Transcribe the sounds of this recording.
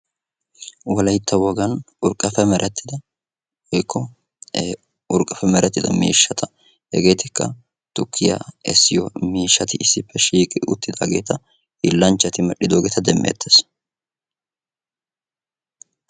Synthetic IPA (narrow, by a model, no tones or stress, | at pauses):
wɔlɐjt̪ːɐwɔɡɐn | ʊɾkʼːɐfɛmɛɾʔɛt̪ːɪd̪ɐ | hɔjkʰːɔ | ʊɾkʼːɐfɛmɛɾʔɛt̪ːɪd̪ɐ̰mḭːʃːɐt̪ʰɐ | hɛ̰ɡe̞ːt̪ɪkːɐ | t̪ʊkʰːɪja̰ɛsːɪjɔmiːʃːɐt̪ɪɪsːɪpːɛʃiːkʼɪʊ̰t̪ːɪd̪aːɡe̞ːt̪ɐ | hɪlːɐnt͡ʃːɐt̪ɪmɐɗːɪd̪o̞ːɡeːt̪ɐd̪ɛmːḛːt̪ʰːes